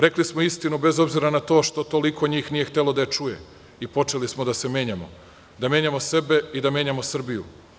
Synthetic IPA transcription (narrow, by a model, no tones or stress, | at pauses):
ɾe̞klismoist̪inube̞zo̞bziɾanat̪o̞ːʃt̪o̞t̪o̞likʰo̞ɲiːxnije̞xt̪e̞lo̞d̪ajet͡ʃuje̞̰ | ipo̞t͡ʃe̞lismod̪ase̞mje̞ːɲamo̰ | d̪amje̞ɲamo̞se̞be̞id̪amje̞ːɲamo̞sr̩bijṵ